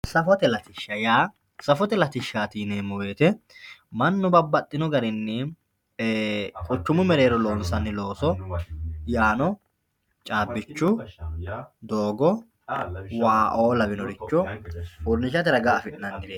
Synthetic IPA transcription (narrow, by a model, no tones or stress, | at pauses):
sɐfɔt̪ɛlɐt̪ɪʃːɐjaː | sɐfɔt̪ɛlɐt̪ɪʃːaːt̪iːneːmʊwe̞ːt̪ɛmɐnːʊbɐbːɐt̪ʼːɪnɔɡɐɾɪnːɛ | kʼʊt͡ʃːʊmʊmɛɾeːɾɔloːnsɐnːɪlo̞ːsɔ | jaːnɔ | t͡ʃʼaːbːɪt͡ʃːʊ | d̪o̞ːɡɔ | waːʔoːlɐbɪnɔɾɪt͡ʃːɔʊɾnɪʃɐt̪ɪɾɐɡaːfɪᶑɪnɐnd̪ɪɾeː